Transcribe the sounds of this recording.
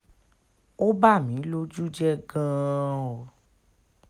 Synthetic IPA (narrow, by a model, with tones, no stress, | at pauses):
o˦ba˦˨mĩ˨˦lo˦d͡ʒu˦d͡ʒɛ˦ɡã˦˧ɔ˨